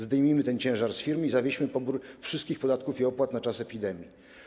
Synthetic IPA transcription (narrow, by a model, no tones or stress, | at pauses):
zd̪ɛjmʲimɘt̪ɛnt͡ɕɛ̃w̃ʐaɾsfʲiɾmizavʲeɕmɘpɔbuɾfʂɘst̪kʲixpɔd̪at̪̚kufiɔpwat̪nat͡ʂasɛpʲid̪ɛmʲji